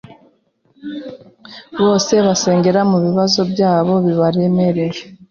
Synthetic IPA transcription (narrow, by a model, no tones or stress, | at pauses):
βo̞ːse̞βase̞ːŋɡe̞ɾamuβiβazo̞bjaːβo̞βiβaɾe̞me̞ɾe̞ɾ